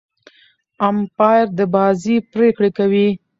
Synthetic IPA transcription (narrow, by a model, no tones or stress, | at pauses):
ampɑjɾd̪əbɑzipɾekɽekawi